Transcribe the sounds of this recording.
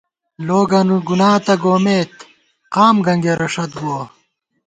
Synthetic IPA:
loːɡɐnuɡunaːt̪ɐɡoːmeːt̪ | qaːmɡɐŋɡeɾɐʂɐt̪ɡuo

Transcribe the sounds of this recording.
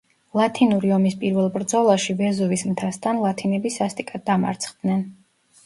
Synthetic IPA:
lˠat̪ʰinuɾiɔmispʼiɾvɛlˠbɾd̪zɔlˠaʃivɛzuvismt̪ʰast̪ʰanlˠat̪ʰinɛbisast̪ʼikʼad̪̚ːama̰ɾt̪sʰχd̪nɛn

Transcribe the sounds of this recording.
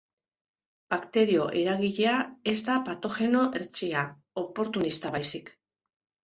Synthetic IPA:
b̥akt̪e̞ɾio̞ʔe̞ɾaɣiʎe̞ae̞zd̪apat̪o̞xe̞no̞ʔeɾt͡ʃia | o̞po̞ɾt̪unist̪aβajsik

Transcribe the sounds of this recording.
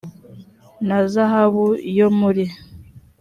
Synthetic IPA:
nazaɦaβujomuɾi

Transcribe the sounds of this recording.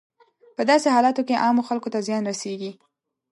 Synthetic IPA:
pəd̪ɑseɦɑlɑt̪okeʔɑmoxalkot̪azjɑnɾaseɡi

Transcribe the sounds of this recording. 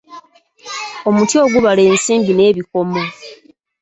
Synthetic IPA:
omutjio̞ːɡuβaleːnsiːmbine̞ːβiko̞mo

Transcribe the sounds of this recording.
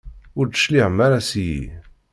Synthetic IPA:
ʊɾd̪ə̥ʃliʕəmːaɾasjḭ

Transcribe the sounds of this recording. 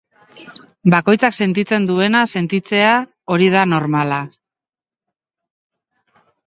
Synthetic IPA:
bako̞jt͡sakse̞nt̪it͡se̞nd̪ue̞nase̞nt̪it͡se̞a | o̞ɾið̞ano̞ɾmala

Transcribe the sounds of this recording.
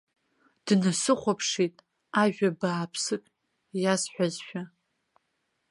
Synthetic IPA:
d̥nasɨχʷapʰʂitʼ | aʒᶣabaːpʰsɨkʼ | jasħʷᶣazʃᶣa

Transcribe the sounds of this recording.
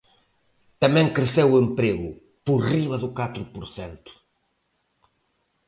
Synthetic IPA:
t̪ɐmẽj̃kɾɨsewuẽmpɾeɣʊ | puɾriβɐðʊkat̪ɾupʊɾsḛ̃nt̪u̥

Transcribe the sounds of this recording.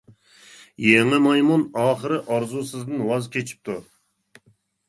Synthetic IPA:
jeŋɪmɑjmunɑːχəɾɨʔɑɾzusɨzd̪ɨnwɑzkʲʰet͡ʃʰi̥p̚t̪ʰu

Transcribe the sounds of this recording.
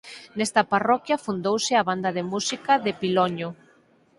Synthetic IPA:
nɛst̪ɐparɔkjɐfund̪owsɪaβand̪ɐðemusikɐðɪpilɔɲo

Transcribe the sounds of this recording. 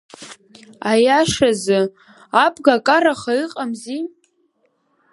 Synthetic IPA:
ajaʂazɨ | apʼɡakʼaraχaiqʼamzi

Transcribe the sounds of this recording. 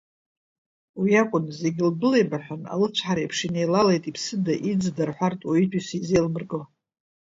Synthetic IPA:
wiakʷʼʊnze̞ɡʲilbɨle̞jbaħʷᶣona̰lɨt͡ɕʷʰħaɾajpʰʂinejlalejtʼipʰsɨdaʔid͡zdarħʷartʼwaitʰʼisizejlmɨrɡo

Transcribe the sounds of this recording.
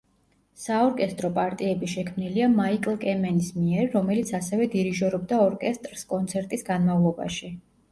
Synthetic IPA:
saɔɾkʼɛst̪ʼɾɔpʼaɾt̪ʼiɛbiʃɛkʰmniliamaikʼlˠkʼɛmɛnismiɛɾːɔmɛlit̪sʰasɛvɛd̪iɾiʒɔɾɔb̚d̪aɔɾkʼɛst̪ʼɾskʼɔnt̪sʰɛɾt̪ʼisɡanmavlˠɔba̰ʃi

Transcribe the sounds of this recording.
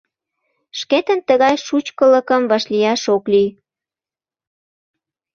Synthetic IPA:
ʃket̪ənt̪əɣɑjʃut͡ɕkələkəmvɑʃlijɑʃoklij

